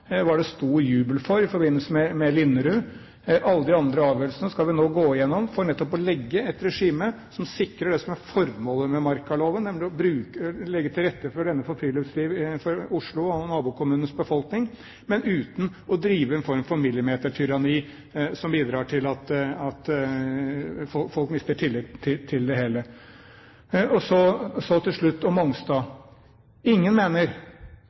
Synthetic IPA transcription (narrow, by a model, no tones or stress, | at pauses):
ʋɑɖɛst̪uːɾjʉːbəlfɔɾɪfɔɾbɪnəlsəmɛmɛlɪnːəɾʉ | ʔɑlːəd̪ɪɑnd̪ɾəɑːʋjøːlsənəskɑlʋɪnoːɡoːɪjɛnːɔmfɔɾɳɛt̪ːɔpɔlɛɡːəɛt̪ɾɛʂiːmə | sɔmsɪkɾəɖɛsɔmæɾfɔɾmoːləmɛmɑɾkɑloːʋənːɛmlɪɔbɾʉːkəlɛɡːət̪ʰɪlɾɛt̪ːəfɔɖɛnːəfɔɾfɾiːləsliːʋfɔɾʊʂɭʊɔnɑːbuːkʰʊmʉːnən̩sbəfɔlknɪŋ | mɛnʉːt̪n̩ɔd̪ɾiːʋəɛːnfɔɾmfɔɾmɪlːɪmeːt̪əʈʰʏɾɑniː | sɔmbiːd̪ɾɑːʈʰɪlɑt̪ɑt̪ | fɔfɔlkmɪst̪əʈʰɪlɪt̪ʰːɪːɪld̪ɛɦeːlə | ɔsɔsɔt̪ʰɪlʂɭʉt̪ːɔmɔŋst̪ɑː | ɪŋːənmeːnəɾ